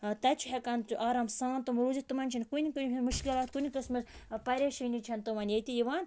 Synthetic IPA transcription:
t̪ɐt͡ʃʰuɦɛkɐnt͡ʃuʔaɾɐmsaːnt̪umɾuzit̪ɨmɐnʲt͡ʃʰinʲkunʲikɨnʲimɨʃkʲilaːt̪̚kunʲikɨsmɨzpɐɾʲeʃinʲit͡ʃʰɐnt̪ɨʋɐnjet̪ʲijiʋaːn

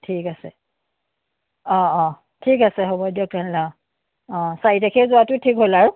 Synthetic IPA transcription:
tʰikasɛ | ɔ̃ɔ̃ | tʰikasɛɦobɔdiɔkanla | ɔ̃sajitakʰezʊatʊtʰikɦolaɹʊ

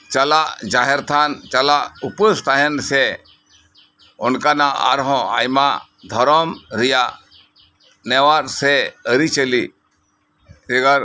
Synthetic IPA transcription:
t͡ʃɐlaʔd͡ʒaɦɛɾt̪ʰant͡ʃɐlaʔupəst̪ʰaɦɛnsɛ | ʊnkanaa̰ɾɦɔ̃a̰jma | d̪ʱɔɾɔmɾija | nɛwaɾsɛəɾit͡ʃəli | d͡ʒeɡaɾ

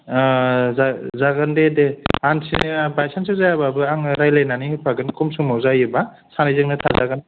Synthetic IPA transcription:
zazaɡɯndedeansḭbajsans̬ɯzajababɯaŋɾajlajnanipʰaɡɯnkʰɔmsuŋmawzajɯba | sanajzɯŋnɯtʰazaɡɯn

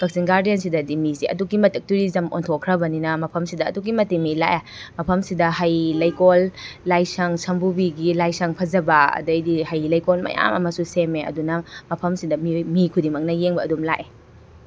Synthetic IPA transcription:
bɐk̚sinɡaɾdijɐnsidɐdimiziʔɐ̰dukimɐtɐk̚tuɾizɐmo̰ntʰokʰɾɐbɐninɐmɐpʰɐmsidɐ̰ːdukimɐtemila̰ʔa | mɐpʰɐmsidɐɦajlɐjkolːajsɐŋsɐmbubiɡilajsɐŋpʰɐzɐbɐɐ̰dɐjdihɐjlɐjkolmɐ̰ja̰mɐ̰mɐsusemeɐ̰dunɐmɐpʰɐmsidɐmimikʰudimɐk̚nɐjeŋbɐːdumlaʔe

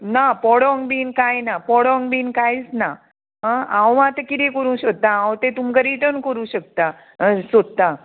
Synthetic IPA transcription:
napɔɽɔŋɡbiːnkajnapɔɽɔŋɡbiːnkajit͡sna | ɦããwãt̪əkit̪ikəɾũɕək̚t̪aãwt̪et̪umkəɾiʈ̪ənkəɾũɕək̚t̪a | sod̪̚t̪a

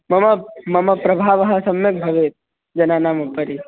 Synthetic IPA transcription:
mɐmɐmɐmɐpɾɐbʱaːʋɐɦɐsɐmjek̚bʱɐʋeːt̪̚ | d͡ʒɐnaːnaːmɐpːɐɾi

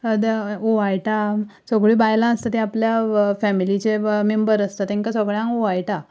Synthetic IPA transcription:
d̪aoʋajʈa | sɔɡɭiːbajlãəst̪at̪eapljafɛmilit͡ɕemembəɾəst̪at̪ẽŋkasəɡɭjãŋɡoʋajʈa

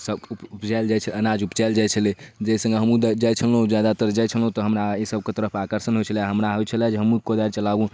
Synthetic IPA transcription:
səupupd͡ʒald͡ʒajt͡ʃʰələnad͡ʒupd͡ʒajld͡ʒajt͡ʃʰəled͡ʒəsə̃ŋɡeɦəmũd̪d͡ʒajt͡ʃʰəlɦũd͡ʒjad̪at̪əɾəd͡ʒajt͡ʃʰəlɦũt̪ɔɦəmɾaesəb̚ket̪əɾəpʰakəɾsənɦojt͡ʃʰəlaɦəmɾaɦoet͡ʃʰəlɛd͡ʒeɦəmũkod̪aɾt͡ʃəlabũ

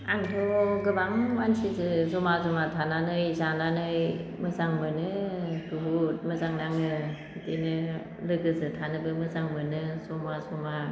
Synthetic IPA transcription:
aŋtʰɔɡɯbaŋwansizɯzɔmazɔmatʰananɯjzananɯjmɯzaŋmɯnɯkuɦut̚mɯzaŋnaŋnɯ | tenɯ | lɯɡɯzɯtʰanɯbɯmɯzaŋmɯnɯzɔmazɔma

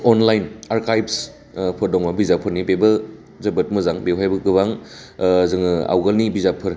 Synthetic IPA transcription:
ɔnlajnaɾkʰajbs | pʰɔɾdɔŋmabizapʰɯɾnibebɐ | zɐbɐt̚mɐzaŋbewajbɐɡɯbaŋ | zɯŋɯa̰wɡɐlnibizapʰɯɾ

